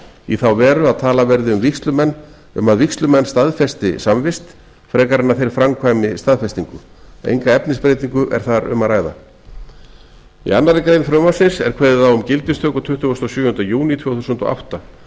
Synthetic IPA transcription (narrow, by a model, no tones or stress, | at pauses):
iθawvɛːɾʏaðt̪ʰaːlavɛɾðɪʏmvikst̪lʏmɛnː | ʏ̰maðvikst̪lʏmɛnːst̪aðfɛst̪ɪsamvɪst̪ | fɾɛːkaɾɪnːaθejɾ̥fɾamkʰvaːjmɪst̪aðfɛst̪iŋkʏ | ḛjŋkaɛpnɪspɾejt̪̬iŋkʏʔɛ̰ɾ̥θaɾʏ̰maɾaːjða̰ | ḭanːaɾɪkɾejnfɾœːmasɪnsɛ̰ɾ̥kʰvɛːðɪθawʏmcɪlt̪ɪst̪ʰœːkɔt̪ʰʏht̪ʏɔst̪ɔsjʏːhʏnt̪ajuːnit̪ʰvɛwθusʏnt̪ɔ̰ʔa̰wht̪a